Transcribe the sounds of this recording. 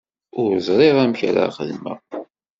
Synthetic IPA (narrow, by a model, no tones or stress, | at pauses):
ʊɾzˤɾˤeʁæmçɾa̰χəlmə̰